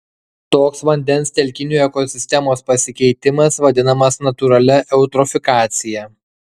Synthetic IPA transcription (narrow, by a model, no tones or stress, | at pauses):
t̪oːksʋɐnʲd̪ʲɛnst̪ʲɛlʲkʲɪnʲuɛkɔsʲɪsʲt̪ʲɛmoːspɐsʲɪkʲɛɪt̪ʲɪmɐsʋɐd̪ʲɪnɐmɐsnɐt̪ʊɾɐlʲɛʔɛʊt̪ɾɔfʲɪkɑːt̪sʲɪjɛ